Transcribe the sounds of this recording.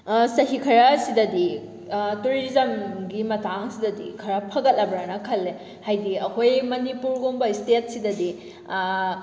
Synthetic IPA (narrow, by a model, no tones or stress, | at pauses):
sɐɦikʰɐɾasidɐdi | tuɾizɐmɡimɐtʰaŋsidɐdḭkʰɐɾapʰɐɡɐt̚lɐbɾanɐkʰɐlːe | hajdiɐkʰojmɐnipuɾɡoŋbɐistet̚sidɐdi